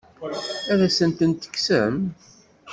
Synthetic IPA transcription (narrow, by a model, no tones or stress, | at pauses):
æðæsənt̪ənt̪ə̥kːsə̰m